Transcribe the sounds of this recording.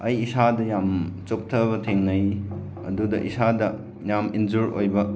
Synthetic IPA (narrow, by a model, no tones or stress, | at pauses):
ɐjisadɐjamt͡ʃop̚tʰɐbɐtʰeŋnɐj | ɐ̰dudɐ̰ʔisadɐ | jamind͡ʒuɾo̰jbɐ